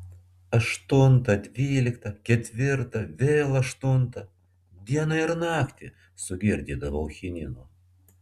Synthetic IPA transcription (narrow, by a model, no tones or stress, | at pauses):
ɐʃt̪ʊnt̪ɐd̪ʲʋʲiːlʲɪkt̪ɐkʲɛt̪ʲʋʲɪɾt̪ɐʋʲeːlˠɐʃt̪ʊnt̪ɐ | d̪ʲiɛnɐɪɾnɑːkt̪ʲɪ | sʊɡʲɪɾʲd̪ʲiːd̪ɐʋoʊxʲɪnʲɪnoː